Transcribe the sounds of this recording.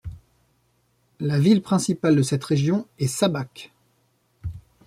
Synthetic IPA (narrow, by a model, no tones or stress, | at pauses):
lavilpχɛ̃sipald̪əsɛt̪ʁeʒjɔ̃ɛsabak